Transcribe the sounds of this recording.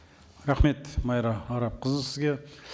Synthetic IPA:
ɾɑχme̞t̪mɑjɾɑɑɾɑp̚qʰəzəlˠsɪzɡʲe

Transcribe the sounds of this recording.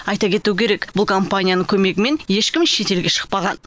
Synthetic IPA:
ɑjt̪ɑkʲe̞t̪uwɪkʲʰe̞ɾe̞kbʊlˠkʰo̞mpanʲijanəkʲʰɵme̞ɡʲɪme̞nje̞ʃkʲɪmʃe̞t̪e̞lɡʲeʃə̥q̚pɑʁɑn

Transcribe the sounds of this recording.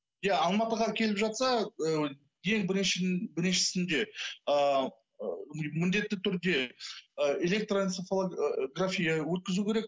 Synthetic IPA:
jaɑlˠmɑt̪əʁɑkʲʰe̞lɪpʒɑt̪sɑə | je̞ŋbɪɾɪʃbɪɾʃɪ̥sɪnd̪e̞ə | mɪnd̪e̞t̪ːɪt̪ʰʏɾd̪e̞ | ele̞k̚t̪ronsofoɡrafʲijawɵt̪̚kʲɪzukʲʰe̞ɾe̞k

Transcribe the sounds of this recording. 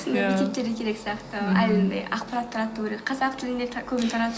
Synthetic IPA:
snd̪jʲet̪ʲe̞p̚t̪e̞ɾɡ̪ʲekʲʰe̞ɾe̞ksijɑqt̪əæj̪nd̪ḛjʔɑ̰qpɑɾat̪ːʰɑɾɑt̪ːuwʲkʲeɾekqʰɑzɑqt̪ʰɪlɪnd̪ekʲʰɵbɪnt̪ʰɑɾɑt̪

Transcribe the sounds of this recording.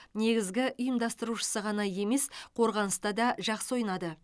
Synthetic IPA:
ne̞ɡʲɪzɡʲɪʔʊjəmd̪ɑst̪əɾuʃə̥səʁɑnɑje̞me̞sqʰo̞ɾʁɑnəst̪ɑd̪ɑʒɑqsəwo̞jnɑd̪ə

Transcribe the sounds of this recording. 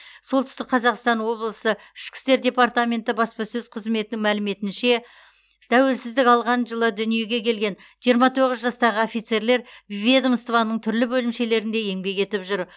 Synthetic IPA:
so̞lˠt̪ʰʏ̥st̪ɪk̚qʰɑzɑqst̪ɑnwo̞blˠəsə | ɪʃkʲɪ̥st̪e̞ɾd̪ʲe̞part̪amʲe̞nt̪ɪbɑspɑsɵz̥qʰəzme̞t̪ɪnɪŋmælɪme̞t̪ɪnʃe̞ | t̪ʰæwe̞ɾsɪzd̪ɪkɑlˠʁɑnʒəlˠəd̪ʏnije̞ɡʲe̞kʲʰe̞lɡʲe̞n | ʒijəɾmɑt̪ʰo̞ʁəzʒɑst̪ɑʁəofijt̪se̞ɾle̞ɾbivʲed̪əmst̪vɑnːəɴt̪ʰʏɾlɪbɵlɪmʃe̞le̞ɾɪnd̪e̞je̞ŋbe̞kʲe̞t̪ɪpʒʏɾ

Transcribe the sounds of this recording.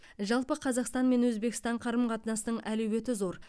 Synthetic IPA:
ʒɑlˠpəqʰɑzɑqst̪ɑnme̞nwɵzbe̞kʲɪst̪ɑɴqʰɑɾəmqʰɑt̪ənɑsənəɴʔælɵwe̞t̪ɪzo̞ɾ

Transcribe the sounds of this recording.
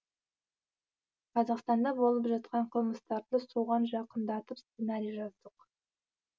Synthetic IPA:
qʰɑzɑqst̪ɑnd̪ɑbo̞lˠəpʒɑt̪̚qɑɴqʰəlˠməst̪ɑɾd̪əsuʁɑnʒɑqənd̪ɑt̪əpst̪senɑɾijaʒɑzd̪əq

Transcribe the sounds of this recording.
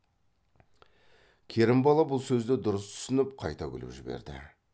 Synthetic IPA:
kʲʰe̞ɾɪmbɑlˠɑbʊlˠsɵzd̪ɪd̪ʊɾəst̪ʰʏ̥sɪnɪp̚qʰɑjt̪ɑkʲʏ̰lɪ̰pʒɪbe̞̰ɾd̪ɪ̰

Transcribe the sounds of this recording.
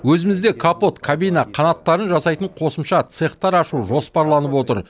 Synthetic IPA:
wɵzɪmɪzd̪e̞kʰapo̞t̪kʰabijnɑqʰɑnɑt̪ːɑɾənʒɑsɑjt̪əɴqʰo̞səmʃɑt̪seχt̪ɑɾɑʃuwʒo̞spɑɾlˠɑnəpwo̞t̪əɾ

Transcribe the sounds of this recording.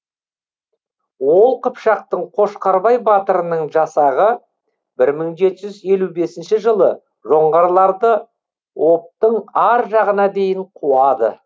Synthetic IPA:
wo̞lˠqəpʃɑq̚t̪əɴqʰo̞ʃqɑɾbɑjbɑt̪əɾənəɴʒɑsɑʁə | bɪɾməɴʒe̞t̪ɪʒʏze̞lube̞sɪnʃɪʒəlˠə | ʒo̞ɴʁɑɾlˠɑɾd̪ə | wʔo̞p̚t̪əɴɑɾʒɑʁənɑd̪e̞jɪɴqʰuɑd̪ə̰

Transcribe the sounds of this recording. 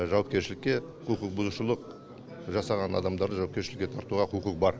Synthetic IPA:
ʒɑwɑp̚kʲe̞ɾʃɪlɪkʲːe̞ | qʰuqəq̚bʊzuʃəlˠəq | ʒɑsɑʁɑnɑ̰d̪ɑmd̪ɑɾd̪əʒɑwɑpkʲeʃɪlɪkʲke̞t̪ʰɑɾt̪uʁɑqʰuqəq̚bɑɾ

